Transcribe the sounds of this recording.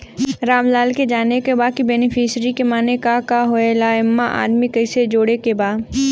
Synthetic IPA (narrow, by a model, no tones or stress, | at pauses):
ɾaːmlaːlked͡ʒaːnekebaːkibɛːnɪfʰisɾikemaːnekakaɦoelaːɪmːaʔa̰ːd̪mikɐɪsed͡ʒoːɽekebaːd̪